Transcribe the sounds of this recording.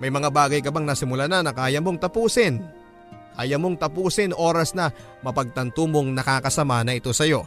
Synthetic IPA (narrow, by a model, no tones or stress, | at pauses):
mɐjmɐŋabaːɡɐjkɐbaŋnɐsɪmʊlananɐkaːjɐmo̞ŋt̪ɐpuːsɪn | ʔaːjɐmo̞ŋt̪ɐpuːsɪnʔo̞ːɾɐsnɐ | mɐpɐɡ̚t̪ɐnt̪omo̞ŋnɐkaːkɐsɐmanɐʔɪt̪o̞sɐjo̞